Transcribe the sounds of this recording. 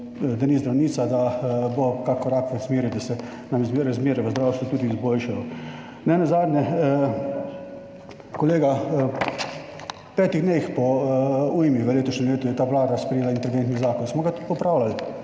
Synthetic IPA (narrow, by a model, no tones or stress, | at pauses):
d̪anizd̪ɾawniːt̪sad̪abokakːɔɾakʋəsmeːɾid̪asɛ | namzɾazmeːɾɛʋəzd̪ɾaːwst̪ʋut̪uːd̪iːzboːlʃajɔ | nɛnazaːd̪nʲɛ | kɔleːɡa | pɛːt̪iɣd̪nexpɔujmiʋəleːt̪ɔʃnɛmleːt̪ujɛt̪aːʋlaːd̪aspɾɛjeːlaint̪ɛlʲiɡent̪nizaːkɔnsmɔɡat̪u̥t̪pɔpɾaːwlal